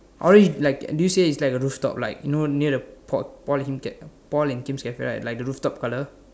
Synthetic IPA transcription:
ʔɔlɹɛdilaɪkdujuseitslaɪkəɹuftɔ̰p̚laɪkjunoniədəpʰɔpɔlhĩmkɛpɔlɛ̃nkĩmskɛfɛ̰ɹa̰laɪk̚dəɹuftɔp̚kalə

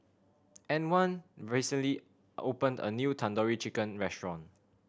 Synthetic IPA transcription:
ɛ̃nwãnɹisə̃nli | opə̃ndə̰njutʰãndɔɹit͡ʃikə̃nɹɛstɹɔ̃n

